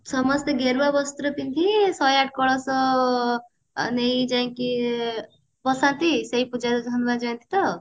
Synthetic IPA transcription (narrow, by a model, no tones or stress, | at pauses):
sʌmʌst̪eɡeɾbabʌst̪uɾʌp̪int̪ʰisʌjaʈ̚kʌɭʌsʌ | nejd͡zaĩki | bʌsãnt̪isʌjpud͡zaɾɡʱʌnmad͡zʌnt̪ʰi̥t̪ʌ